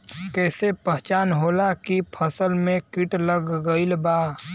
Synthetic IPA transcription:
kɛːsepəɦt͡ʃaːnɦoːlakipʰəsəlmẽkɪʈləɡːəɪlbaː

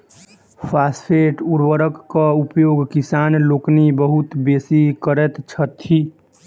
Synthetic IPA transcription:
pʰaspʰeʈuɾwəɾəkːəupjoɡkisaːnloːknibəɦut̪besikəɾɛt̪t͡ʃʰət̪ʰːi

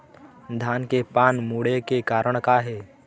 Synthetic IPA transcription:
d̪ʱaːnkepaːnmuːɽekekaːɾəɽ̃kaɦɛː

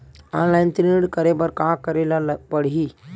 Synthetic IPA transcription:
ãːnlaɪnt̪ɾiɽkəɾebəɾkãːkəɾelabəɽ̤ɦi

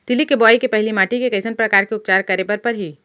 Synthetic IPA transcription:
t̪ɪlikebɔːjkepɛɦlimaːʈikekɐɪsənpɾɐkaːɾkeʊp̚t͡ʃaːɾkɐɾebɐɾpɐɾɦi

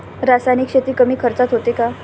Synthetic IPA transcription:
ɾasajnikɕet̪iːkəmiːkʰəɾt͡sat̪ɦot̪eka

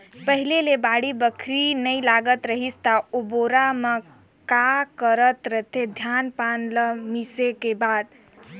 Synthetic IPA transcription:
pəɦilelebaɽibəkʰɾinəjlaɡət̪ɾəɦist̪aoboɾamə | kakəɾət̪ɾət̪ʰed̪ʱjanpanləmisekebad̪

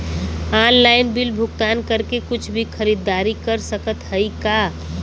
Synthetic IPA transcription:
aːnlaːɪnbilbʱʊkt̪aːnkəɾkekʊt͡ʃʰbʱixʰəɾid̪ːaːɾikəɾsəkət̪həika

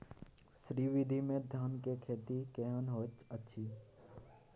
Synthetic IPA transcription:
ʃɾiʋɪd̪ʱimẽd̪ʱjaːnkekʰeːt̪ikeɦənɦoːt͡ʃətːʃʰiː

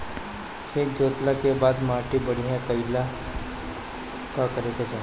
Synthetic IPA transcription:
t͡ʃʰeːd͡ʒoːt̪lakebaːd̪maːʈibəɽ̤iɦɛ̃kəɪla | kakəɾeːɡad͡ʒaː

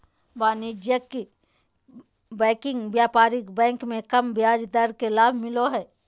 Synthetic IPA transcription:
baːnid͡ʒjəki | bɛ̃ːkɪ̃ŋɡʋjaːpaːɾikbɛ̃ːŋkmẽkɐmbjaːd͡ʒd̪əɾkelaːbʱmɪloɦɛː

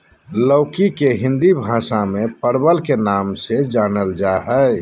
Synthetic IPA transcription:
ləʊkikeɦɪ̃nd̪ibʱãːsamẽpəɾbəlkenaːmsed͡ʒaːnəld͡ʒaɦɛ

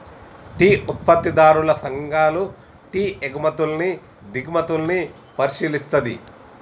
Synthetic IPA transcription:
ʈiːʔut̪̚pɐt̪ːid̪aːɾulɐsɐŋɡʱaːlu | ʈiːeɡɐmɐt̪ulni | d̪ʱiɡmɐt̪ulni | pɐɾiʃiːlist̪ɐd̪ḭ

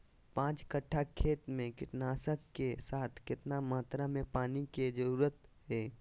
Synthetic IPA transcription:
pãːt͡ʃkəʈʰːakʰeːt̪mẽkɪʈnaːsəkːesaːt̪ʰkɪt̪namaːt̪ɾamẽpaːniked͡ʒəɾuːɾət̪ɦɛː

